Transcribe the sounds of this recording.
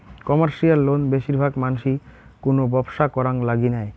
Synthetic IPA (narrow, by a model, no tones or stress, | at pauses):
kɔmaɾʃialːonbeʃiɾbʱaɡmanuʃikonobɔbʃakɔɾaŋlaɡinɛe